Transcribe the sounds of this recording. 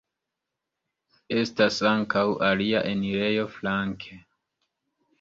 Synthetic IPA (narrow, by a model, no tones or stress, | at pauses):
e̞stasaŋkawʔaliaʔe̞niɾe̞jo̞flaŋkʰe